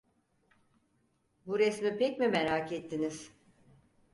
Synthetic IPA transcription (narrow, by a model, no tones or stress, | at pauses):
buɾɛsmipɛcmimeɾakɛt̪ʰːiniz̥